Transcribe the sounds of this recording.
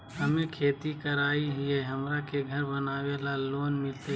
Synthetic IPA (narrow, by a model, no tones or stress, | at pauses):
ɦəmekʰeːt̪ikəɾaːiɦijeɦəmɾakeɡʱəɾbənaːʋelaloːnmɪlt̪e